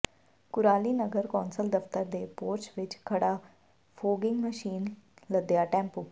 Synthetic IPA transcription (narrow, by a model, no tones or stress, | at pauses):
kʊɾaːliːnəɡəɾkɔːnsəld̪əft̪əɾd̪eːpoːɾt͡ʃʋɪt͡ʃkʰəɽaː | pʰoːɡɪ̃ŋɡməʃiːnləd̪jaːʈɛ̃ːmpuː